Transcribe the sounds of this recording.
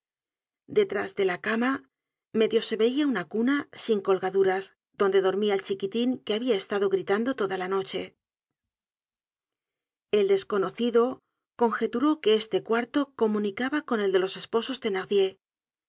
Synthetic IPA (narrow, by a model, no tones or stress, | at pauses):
d̪e̞t̪ɾazðe̞lakama | me̞ðjo̞se̞βeiaunakunasiŋko̞lɣaðuɾaz | d̪o̞nd̪e̞ðo̞ɾmiaelt͡ʃikit̪iŋke̞aβiae̞st̪aðo̞ɣɾit̪and̪o̞t̪o̞ðalano̞t͡ʃe̞ | e̞ld̪e̞sko̞no̞θiðo̞ | ko̞ŋxe̞t̪uɾo̞ke̞est̪e̞kwaɾt̪o̞ko̞mũnikaβako̞ne̞ld̪e̞lo̞se̞spo̞so̞zd̪e̞naʁðje̞